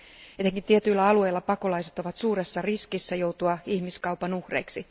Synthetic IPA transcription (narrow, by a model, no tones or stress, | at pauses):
et̪eŋkint̪iet̪yilːæɑlue̞jlːɑpɑko̞lɑiset̪o̞ʋɑt̪suːɾe̞sːɑriskisːæjo̞wt̪uɑihmiskɑwpɑnuhrejksi